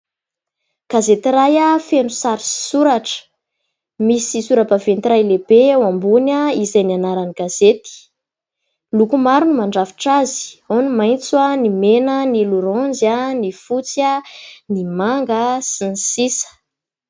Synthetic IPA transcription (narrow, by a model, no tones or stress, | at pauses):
ɡ̥azet̪irajafenusaɾisi̥suɾaʈ͡ʂə̥ | misisuɾabavent̪iɾajlebeawambunaizajnianaɾaniɡ̥azet̪i̥ | lukumaɾunumaɳɖ͡ʐafi̥ʈ͡ʂazi̥onimajnt͡swanimenəniluɾɔnd͡zanifut͡sanimaŋɡəsinsisə̥